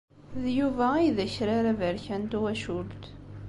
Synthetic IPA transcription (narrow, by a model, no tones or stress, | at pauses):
ðjuvæiðæçɾaɾævəɾçænt̪wæʃuɾt̪